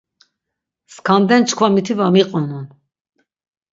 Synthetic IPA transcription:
skʰand̪ɛnt͡ʃʰkʰvamit̪ʰivamiqʼɔnun

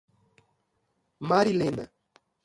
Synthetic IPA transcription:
maɾilena̰

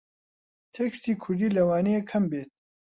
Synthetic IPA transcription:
t̪ʰekst̪iːkʰʊɾd̪iːlɐwaːnejekʰɐmbeːt̪̚

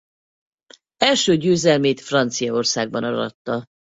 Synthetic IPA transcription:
ɛlʃøːɟøːzɛlmeːt̪frɒnt̪sijɒo̞rsaːɡ̚bɒnɒɾɒ̰t̪ːɒ

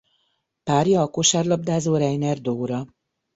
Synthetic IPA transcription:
paːɾjɒːkoʃaːrlɒb̚d̪aːzoːɾɛjnɛrd̪oːɾɒ

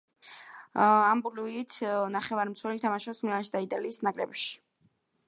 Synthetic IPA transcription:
ambuluit̪ʰnaχɛvaɾmt̪sʰwɛlit̪ʰamaʃɛpsmlianʃid̪ait̪ʼaliːsnakʼɾɛ̰bʃi̥

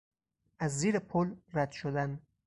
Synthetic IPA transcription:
ʔæzːiːɾepʰolræd̪̥ʃod̪æn

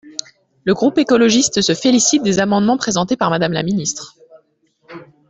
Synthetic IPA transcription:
ləɡʁupekɔlɔʒist̪səfelisit̪̚d̪ezamɑ̃d̪mɑ̃pχezɑ̃t̪epaʁmad̪amla̰minist̪χ

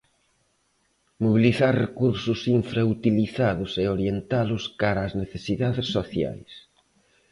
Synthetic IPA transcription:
moβ̞iliθaɾrekuɾsʊsiɱfɾaut̪iliθaðʊseoɾjent̪alʊskaɾaːzneθesiðaðɪsːoθja̰js

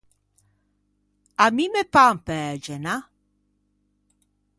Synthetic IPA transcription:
amimepampɛːd͡ʒɛna

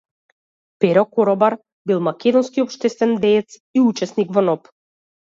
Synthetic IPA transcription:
pɛɾɔkɔɾɔbaɾ | bilˠmakʲɛd̪ɔnskiɔpʃt̪ɛst̪vɛnd̪ɛːt̪siut͡ʃɛsnikvɔnɔp

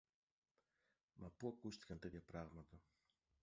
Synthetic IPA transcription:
mʔɐpuɐkust̪i̥kɐnt̪et̪çɐpɾaɣmɐt̪ɐ

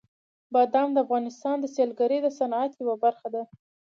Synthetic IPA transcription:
bɑd̪amd̪əafɣɑnɪst̪ɑnd̪əsjelɡaɾəjd̪əsanat̪jawabaɾxad̪a

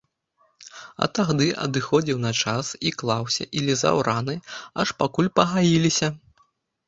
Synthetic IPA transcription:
ɐ̰t̪aɣd̪ɨʔɐ̰d̪ɨxɔd͡zʲiwnɐt͡ʂasiklˠawsʲɐ̰ʔilʲiza̰wɾʔanɨɐʂpakulʲpɐɣajilʲisʲɐ

